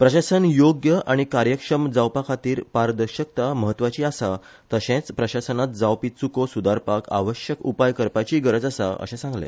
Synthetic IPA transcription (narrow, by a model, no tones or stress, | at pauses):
pɾəɕasənjoɡjəʔaɽ̃ikaɾjəkʂəmd͡zawpakʰat̪iːɾpaɾd̪əɾɕək̚t̪aməɦət̪ːʋat͡ɕiːasa | t̪əɕẽt͡spɾəɕasənat̪̚d͡zawpit͡sukosud̪aɾpakʰa̰ʋəɕjəkupajkəɾpajt͡ɕiːɡəɾəd͡zasa̰ʔə̰ɕẽsãŋɡlḛ